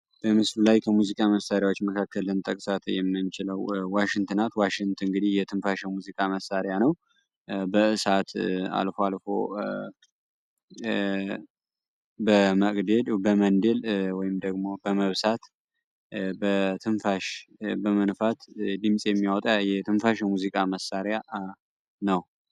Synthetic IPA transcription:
b̥əmɨslulajkʰəmuzikʼaməsaɾjawot͡ʃːməkʰakːəlɨnt̪ʼəkʼsat̪jɛmːɨnt͡ʃɪləwwaʃɪŋt̪ʰɨnat̪waʃɪŋt̪ʰɨŋɡɨd̪ihjɛt̪ʰɨnfaʃɛmuzikʼaməsaɾjanəw | bəɨsat̪a̰lfoalfo̰ | bəməkʼd̪ed̪bəmənd̪elwɔjɪmd̪əɡmo̞bəməβsat̪ | bət̪ʰɨnfaʃbəmənfat̪d̪ɨmsʼjɛmːijawɔt̪ʼajɛt̪ʰɨnfaʃɛmuzikʼaməsːaɾja | nəw

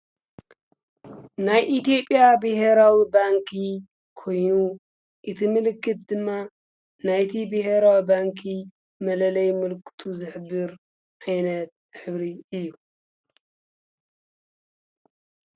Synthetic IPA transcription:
najʔit̪ijo̞pʼjabɨɦeɾawibaŋkʰi | kʰo̞jnu | ʔɨt̪ʰimɨlɨkʰːɨt̪̚d̪ɨmːa | najt̪ʰibɨheɾawibaŋkʰi | mɐlɐlɐjmɨlkʰɨ̥t̪ʰuzɨħɨbːɨɾ | ʕajnɐt̪̚ħɨβɾiɨjːu

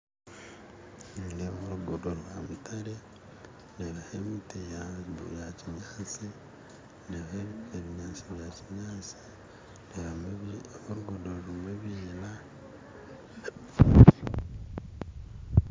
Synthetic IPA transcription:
nineβuɾuɡodoɾwamitʰaɾe | neβahemiti | jaciɲaxat͡si | neβheβeβiɲaːt͡siβjaciɲaːt͡si̥ | ne | huɾuɡodolumweβiːla

